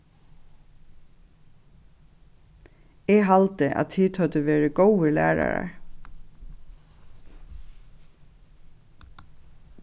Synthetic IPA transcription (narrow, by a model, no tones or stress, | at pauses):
ɛːɦɑlt̪əʔæ̰t̪ʰiːt̪hœt̪əʋeːɹəɡowəlæ̰ːɹa̰ɹa̰ɹ